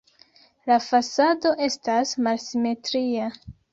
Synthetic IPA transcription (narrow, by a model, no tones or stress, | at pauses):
lafasado̞ʔe̞stasmalsime̞tɾia